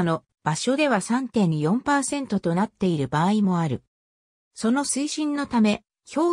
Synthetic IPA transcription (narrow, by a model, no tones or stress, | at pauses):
no̞ | b̥aɕo̞d̪e̞β̞asãnt̪ẽ̞ɲ̟ːijõ̞mpaːsẽ̞nt̪o̞t̪o̞nat̪ːe̞iɾɯ̟baːimo̞aɾɯ̟ | so̞no̞sɨiɕĩnːo̞t̪ame̞ | ço̞ː